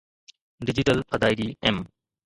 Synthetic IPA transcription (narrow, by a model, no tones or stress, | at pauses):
ɖɪd͡ʑɪʈəlpʰɐd̪aːiɗiːɛm